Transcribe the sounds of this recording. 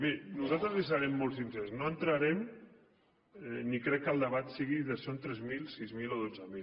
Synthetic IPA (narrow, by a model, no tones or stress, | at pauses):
menuzalt̪ɾəzis̬aɾɛmːolˠsinzɛsnoənt̪ɾaɾɛm | nikɾɛkːəlˠd̪əβat̪siɣiðəsont̪ɾɛzmilsizmiloðod͡zəmil